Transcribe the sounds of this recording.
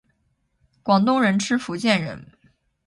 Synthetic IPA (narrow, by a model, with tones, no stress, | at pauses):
kwɑ˨˩ŋt̪ʊ˥˩ŋɻə˧˥nʈ͡ʂʰɻ̩˥fu˧˥t͡ɕjɛ˥˩nɻə̰˧˥n